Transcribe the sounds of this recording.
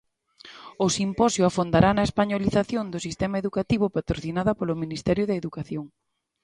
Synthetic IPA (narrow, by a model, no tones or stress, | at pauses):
ʊsimpɔsjʊafond̪aɾanɐespaɲoliθaθjond̪ʊsist̪ɛmaeðukat̪iβʊpat̪ɾoθinaðɐpolʊminist̪ɛɾjʊðɐeðukaθjoŋ